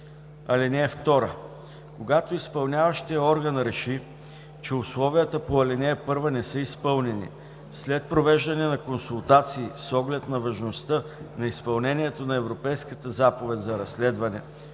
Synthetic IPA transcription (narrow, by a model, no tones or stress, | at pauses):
ɐlɛnɛːft̪ɔɾə | koɡat̪oispɐlˠnʲavəʃt̪iəɔɾɡɐnɾɛʃi | t͡ʃɛʊslˠɔvijət̪əpoɐlɛnɛːpɤɾvənɛsɤispɤlˠnɛnḭ | slɛt̪̚pɾovɛʒd̪ɐnɛnɐkonsulˠt̪at̪siːsɔɡlɛt̪nɐvɐʒnost̪ɤnɐispɐlˠnɛnʲiɛt̪onɐɛvɾopɛjskət̪əzapovɛt̪ʲzɐɾɐslɛd̪vɐnɛ̰